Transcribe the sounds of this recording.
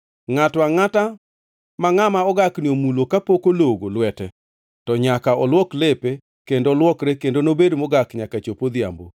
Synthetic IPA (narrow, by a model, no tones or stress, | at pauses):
ŋatwaŋata | maŋamaɔɡaknɪomulokapokoloɡolwɛtɛ | tɔɲakaɔlwɔklepe | kendoːlwɔkɾekendonobedmoɡakɲakat͡ʃopod̪ɪja̰mbo̰